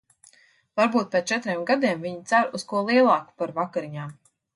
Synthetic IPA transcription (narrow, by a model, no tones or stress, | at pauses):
vaɾbuːt̪̚pʲet̪t͡ʃɛt̪ɾeːmɡad̪iɛmviɲit̪saɾuskuɔlˠiɛlˠɑːku̥paɾvakaɾiɲaːm